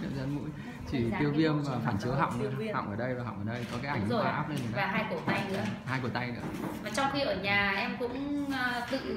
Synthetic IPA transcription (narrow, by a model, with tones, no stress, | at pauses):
ɲə̰˧˩zə˧nmṵ˧˥j | t͡ɕi˧˩t̪ːi˧ə˧wvi˧əmː˨˩faː˧˩nt͡ɕɨ˨˦əɦa̰˧˨wŋ͡mn˧i˧əha̰˧˨wŋ͡mʔəː˧˩ɗə˧jvaː˨˩ɦɔ̰˧˨wŋ͡mʔəː˨˩ɗə˧jkɔ˨˦kaː˨˦ʔa˧˩jŋo˧˩˨ʔaː˦˥p̚le˧n˨˩vaː˨˩ɦaː˧jku˧˩ət̪a˧jnɨ̰˧˥ə˨haː˧jku˧˩t̪a˧jnɨ̰˧˥əvaː˨˩t͡ɕɔ˧wŋ͡mxi˧ʔəː˧˩ɲaː˨˩ʔɛ˧mkʊ̰˧˥ŋ͡mːt̪ɨ̰˧˨